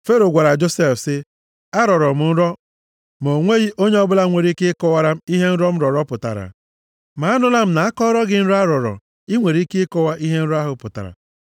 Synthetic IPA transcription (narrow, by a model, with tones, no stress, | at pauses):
fe˦ɾo˨ɡʷa˨ɾa˨d͡ʒo˦se˦˨fsɪ˦ | a˦ɾɔ˨ɾɔ˨m̩˨n̩˦ɾɔ˦ | m˨o˨ŋʷe˦ɣi˦ʔo˦ɲe˦ɔ˦bʊ˦la˦ŋʷe˨ɾi˦kɪ˦kɔ˦wa˦ɾa˦m̩˦i˦ɦe˦n̩˦ɾɔ˦m̩˦ɾɔ˨ɾɔ˦pʊ˨ta̰˨ɾa̰˨ | ma˨a˦nʊ˦la˦m̩˦na˨a˦kɔ˦ɾɔ˦ɡɪ˦n̩˦ɾa˦ɾɔ˨ɾɔ̰˨ | i˦ŋʷe˨ɾi˦kɪ˦kɔ˦wa˦ʔi˦ɦe˦n̩˦ɾa˦ɦʊ˨pʊ˨ta̰˨ɾa̰˨